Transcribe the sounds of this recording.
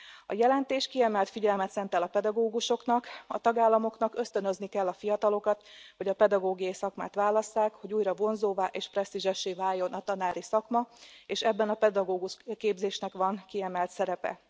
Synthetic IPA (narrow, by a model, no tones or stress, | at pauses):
ɒjɛlɛnt̪eːʃkiɛmɛlt̪fiɟɛlmɛt̪sɛnt̪ɛlɒpɛd̪ɒɡoːɡuʃo̞knɒkɒt̪ɒɡaːlːɒmo̞knɒkø̞st̪ønøznikɛlːɒfijɒt̪ɒlo̞kɒt̪ho̞ɟɒpɛd̪ɒɡoːɡijɒjisɒkmaːt̪ʋaːlɒsːaːkho̞ɟuːjrɒvo̞nzoːvaːʔeːʃprɛst̪iʒɛʃːeːvaːjːo̞nʔɒt̪ɒnaːɾisɒkmɒeːʃɛbːɛnɒpɛd̪ɒɡoːɡuʃkeːbzeːʃnɛkʋɒŋkiɛmɛlt̪sɛɾɛpɛ̰